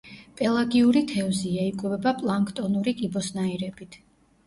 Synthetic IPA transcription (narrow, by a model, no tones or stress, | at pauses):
pʼɛlˠaɡiuɾit̪ʰɛɔziaikʼuvɛbapʼlˠaŋkʼʰt̪ʼɔnuɾikʼibɔsnaiɾɛbit̪ʰ